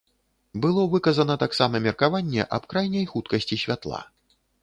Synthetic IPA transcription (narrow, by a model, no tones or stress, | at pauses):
bɨlˠɔvɨkɐzɐnɐt̪aksamɐmʲɛrkavanʲːɛ̰ʔɐ̰pkɾajnʲɐjxut̪kɐsʲt͡sʲisʲvʲat̪lˠa̰